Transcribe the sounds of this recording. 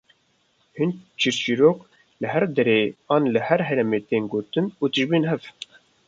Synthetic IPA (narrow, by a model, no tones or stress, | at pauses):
hɨnt͡ʃʰiɾʃiɾoːk | lɨɦɛɾd̪ɛɾeːɑːnləhɛɾɦɛɾɛmeːt̪eːnɡoːt̪ɨnuːt̪ɨʒbiːnɦɛv